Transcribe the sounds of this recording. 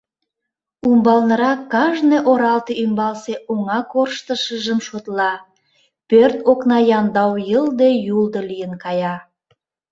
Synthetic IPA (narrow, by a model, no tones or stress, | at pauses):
umbɑlnə̆ɾɑkːɑʒneʔoɾɑlt̪eymbɑlseʔoŋɑkorʃt̪əʃəʒəmʃot̪lɑ | pørt̪oknɑjɑnd̪ɑwjəld̪ejuld̪əlijənkɑjɑ